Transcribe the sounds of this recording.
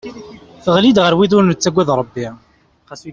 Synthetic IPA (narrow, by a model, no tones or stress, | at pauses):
θəʁlid̪ʁəɾwiðʊɾnət͡sːæɡʷːæðɾˤəbːi